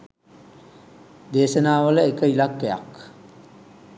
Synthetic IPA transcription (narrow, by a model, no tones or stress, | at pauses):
d̪eːsənaːʋələekəilakːeja̰k